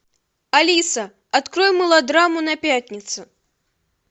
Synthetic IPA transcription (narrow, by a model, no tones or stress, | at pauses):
alʲisɐ | at̪kɾɔjmɨlˠɐd̪ɾamunɐpʲatʲnʲit̪su